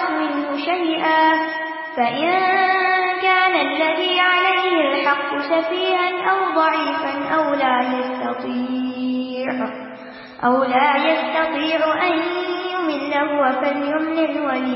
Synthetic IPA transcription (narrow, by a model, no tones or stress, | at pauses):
mɪnhʊʃajʔaː | faʔɪn | kaːnalːaðiːʕalajhɪlħɑqːʊsafiːhanʔawd̪ˤɑʕiːfanʔawlaːjast̪ɑt̪ˤiː | ʕ | ʔawlaːjast̪ɑt̪ˤiːʕʔanjʊmɪnːahʊwafaljʊmnɪlwaliː